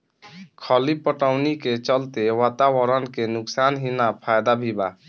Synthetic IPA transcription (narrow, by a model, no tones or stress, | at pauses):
kʰəlipəʈawniket͡ʃəlt̪ewat̪awəɾənkenuksanɦinapʰajd̪abʱiba